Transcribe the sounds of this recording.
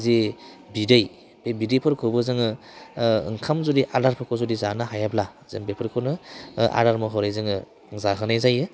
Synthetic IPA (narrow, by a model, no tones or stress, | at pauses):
ze | bidɯj | bebidepʰɯɾkʰɯbɯzɯŋɯ | ɯ̰ŋkʰamzɔdiʔaɾaɾpʰɯkʰɔzɔdizanaɦajabla | zɯŋbepʰɯɾkʰɯnɯʔa̰ɾaɾmɔɦɔɾajzɯŋɯ | ŋzaɦɯnajzajɯ